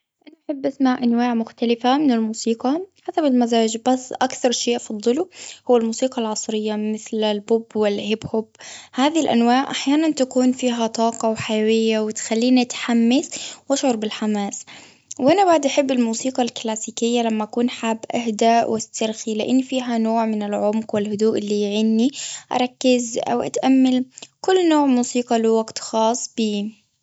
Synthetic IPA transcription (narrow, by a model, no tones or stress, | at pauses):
ʔanaʔaħɪbːʔasmaʕʔanwaːʕmʊxt̪alɪfamɪnɪlmuːsiːqɑħasabɪlmazaːd͡ʒbasːʔakθɑɾˤʃeːʔfɑd̪ˤːɨluhʊwːalmuːsiːqɑlʕɑsˤɾɪjːamɪθlɪlbʊbːwɪlhɪbhʊbhaːðiilʔa̰nwaːʕʔaħjaːnant̪akuːnfiːɦat̪ˤɑːqɑwħajawɪjːawɪt̪xalːiːnʔat̪ħamːɪθwʔaʃʕʊɾˤbɪlħamaːs | wʔanabaʕd̪ʔaħɪbːɪlmuːsiːqɑlklaːsiːkɪjːalamːaʔakuːnħaːbːʔahd̪aːʔwʔɪst̪ɑɾxilɪʔɪnːfiːɦanoːʕmɪnɪlʕʊmqwɪlhʊd̪uːʔɪlːiʕɪnːiʔɑ̰ɾˤɑkːɪzʔa̰wʔa̰t̪ʔamːalkʊlːnoːʕmuːsiːqɑlɪwaɡt̪xɑːsˤːb̥iː